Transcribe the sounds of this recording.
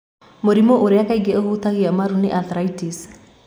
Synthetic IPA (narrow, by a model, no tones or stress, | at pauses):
moɾimoʔoɾeakaiɡeohut̪aɣiamaɾuneʔaθɾaitis